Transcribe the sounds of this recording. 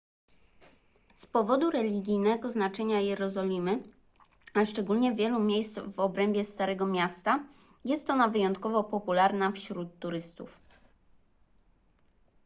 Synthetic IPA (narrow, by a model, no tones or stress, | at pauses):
spɔvɔd̪uɾɛlʲiɡʲijnɛɡɔznat͡ʂɛɲajɛɾɔzɔlʲimɘ | aʂt͡ʂɛɡulɲɛvʲjɛlumʲjejst̪vɔbɾɛmbʲjɛst̪aɾɛɡɔmʲjast̪a | jɛst̪ɔnavɘjɔnt̪kɔvɔpɔpulaɾnafɕɾut̪ːuɾɘst̪uf